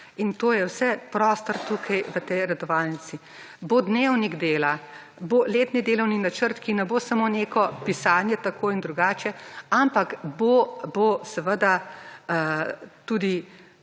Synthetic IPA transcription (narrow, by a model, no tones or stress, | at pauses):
int̪oːjɛwsɛpɾɔːst̪ɔɾt̪ukʰajʋət̪ɛjɾɛd̪ɔʋaːlnisi | bod̪newniɡd̪eːla | boleːt̪nid̪eːlɔwninat͡ʃəɾt̪kinɛboːsamoneːkɔpisaːnjɛt̪akoːind̪ɾuɡaːt͡ʃɛampakbobosɛʋəd̪a | t̪ud̪i